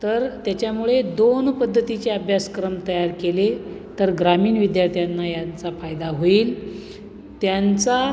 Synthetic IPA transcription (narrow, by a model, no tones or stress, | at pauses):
t̪əɾt̪jat͡ɕjamuɭed̪onpəd̪ʱːət̪it͡seəbʱjaskɾəmt̪əjaɾkele | t̪əɾɡɾamiːnʋid̪jaɾt̪ʰjanːajant͡safajd̪aɦoiːl | t̪jant͡sa